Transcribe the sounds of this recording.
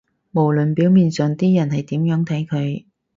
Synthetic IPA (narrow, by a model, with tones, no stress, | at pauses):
mo˨˩wlɵ˨npiː˨˥wmiː˨nsœ˨ŋt̪iː˥jɐ˨˩nɦɐ˨jt̪iː˨˥mjœː˨˥ŋt̪ʰɐ˨˥jkʰɵ˨˧ɥ